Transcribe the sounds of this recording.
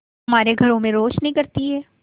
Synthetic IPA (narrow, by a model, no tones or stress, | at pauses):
ɐmaːɾeɡʱɐɾõmẽɾoːʃnɦĩkɐɾt̪iɦɛː